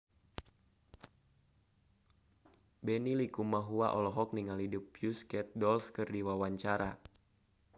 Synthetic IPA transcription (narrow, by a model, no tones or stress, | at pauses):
bɛnilikumaɦua̰ʔɔlɔɦɔk̚niŋalidupjuskɛt̪̚dɔlskɨrdiwawaɲt͡ʃaɾa